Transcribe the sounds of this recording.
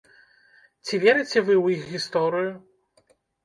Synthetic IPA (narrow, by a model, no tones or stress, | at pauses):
t͡sʲivʲɛɾɨt͡sʲɛvɨwjixɣʲist̪ɔɾɨju